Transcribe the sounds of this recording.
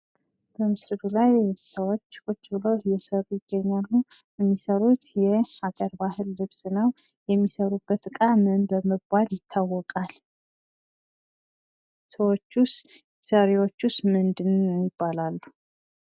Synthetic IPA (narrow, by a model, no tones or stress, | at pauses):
b̥əmɨsɨd̪ulajsəwo̞t͡ʃːkʼot͡ʃ̪ːbɨlowjɛsəɾujɪɡ̥ːəɲːalːu | ɛmːisəɾut̪jɛakʼəɾbahɨlːɨβsnəw | jɛmːisəɾubːət̪ɨkʼamɨnbəməbaljɪt̪ʰːawːɔkʼal | səwot͡ʃːus | səɾewo̞t͡ʃːust̪mɨnd̪ɨnːjɪb̥ːalalːu